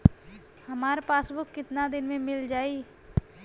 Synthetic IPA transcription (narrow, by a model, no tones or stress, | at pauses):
hɐmaːɾpaːsbʊkːɪt̪nad̪ɪnmẽmɪld͡ʒaːi